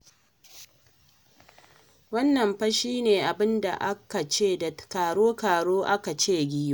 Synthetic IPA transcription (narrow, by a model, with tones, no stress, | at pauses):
wɐ˦nːɐ˨mɸɐ˦ʃiː˦neː˨ʔa˨bɪ˦nda̰˨ʔa˦ka˨t͡ʃeː˦˨da˨kaː˨ɽoː˦kaː˨ɽoː˦ʔa˦ka˨t͡ʃeː˦ɡʲi˦jo˦˨